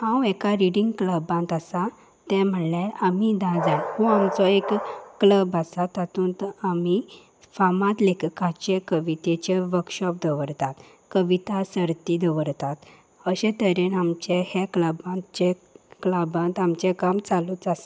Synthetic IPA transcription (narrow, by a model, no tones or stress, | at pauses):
hãwɛkaɾiɽĩŋɡkləbãnt̪asa | t̪ɛ̃m̤əlɛ̃amid̪ãd͡zaɦuamt͡sɔekːləbasat̪at̪ũːnt̪ami | famãt̪lekkãt͡ɕekəʋit̪et͡ɕeʋəɾkɕɔp̚d̪ʱəʋəɾt̪at̪ | kəʋit̪asəɾt̪id̪əʋəɾt̪at̪ | əɕɛ̃t̪əɾenamt͡ɕehɛkləbãt͡ɕekləbãnt̪amt͡ɕɛkamt͡salut͡sas